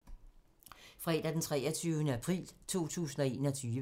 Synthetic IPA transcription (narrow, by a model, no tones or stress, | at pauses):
fʁɑe̝d̥æd̥ent͡sʰʁɛɐt͡sʰyʊnəæpʰʁḭːlt͡sʰo̝̰ːt͡sʰṵːsn̩ɒ̽e̝̰ːnɒt͡sʰyː